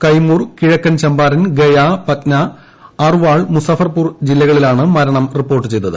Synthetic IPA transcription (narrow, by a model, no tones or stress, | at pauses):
kɐjmuːrkiɻɐkːɐnt͡ɕɐmbaːɾɐnɡejapɐt̪nɐː | rʋaːɭmusɐfɐrpuːrd͡ʑilːɐɣɐɭilaːɳɨmɐɾɐɳɐmripːo̞ːrʈːɨt͡ɕe̞jt̪ːɐðɨ̰